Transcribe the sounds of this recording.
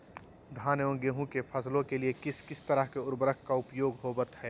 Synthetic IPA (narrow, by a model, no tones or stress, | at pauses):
d̪ʱaːnjõːɡeɦũkepʰɐslõkeliekɪskɪst̪ɐɾəɦkeʊɾbəɾəkʰkaʊpjoːɡɦoːbət̪ɦɛː